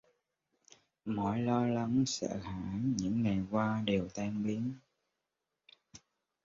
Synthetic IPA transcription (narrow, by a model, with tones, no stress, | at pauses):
mɔ˧˩jlɔ˧la˨˦ŋsə̰ː˧˨haː˧˩ɲɨ̰˧˥ŋːa˨˩jkwaː˧ɗe˨˩wt̪ɛ˧ŋɓi˨˦ən